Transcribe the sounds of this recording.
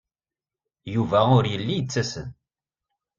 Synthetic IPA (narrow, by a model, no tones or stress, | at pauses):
juvæʊɾjəlːijət͡sːæsə̰n